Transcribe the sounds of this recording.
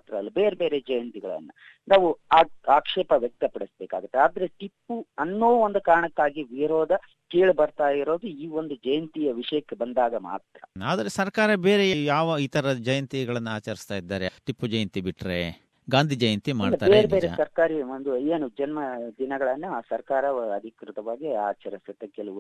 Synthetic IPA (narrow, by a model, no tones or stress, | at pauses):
at̪ɾɐɐlːɐbeːɾebe̞ːɾed͡ʒɐjɐnt̪iɡɐ̰ɭɐ̰nːɐ | naːʋuaːaːkʂɛːpɐʋjɛk̚t̪ɐpɐɽesbeːka̰ːɡut̪ːeaːd̪ɐɾe̞ʈipːuɐnːoːond̪ukaːɾɐɳɐkːaːɡiʋiɾoːd̪ɐ | keːɭbɐɾt̪aːjiɾo̞ːd̪uiːo̞nd̪ud͡ʒɐjɐnt̪ijɐʋiʂɐjɐkːebɐnd̪aːɡɐma̰ːt̪ɾɐaːd̪ɐɾesɐɾkaːɾɐbeːɾejaːʋɐiːt̪ɐɾɐd͡ʒɐjɐnt̪iɡɐɭɐnːɐaːt͡ʃɐɾist̪aːjid̪ːaːɾeʈipːud͡ʒɐjɐnt̪ibiʈːɾḛ | ɡaːnd̪ʱid͡ʒɐjɐnt̪imaɐːɖ̪ɐaːbeːɾeɡbeɾḛsɐɾkaːɾiond̪ueːnud͡ʒɐnmɐd̪inɐɡɐɭɐnːusɐɾkaːɾɐɐd̪ʱikɾut̪ɐʋaːɡiaːt͡ʃɐɾisut̪ːekɛlɐu